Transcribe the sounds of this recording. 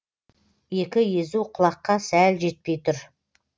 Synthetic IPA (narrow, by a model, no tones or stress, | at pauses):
je̞kʲɪjezuqʰʊlˠɑqːɑsælʒe̞t̪̚pe̞jt̪ʰʊɾ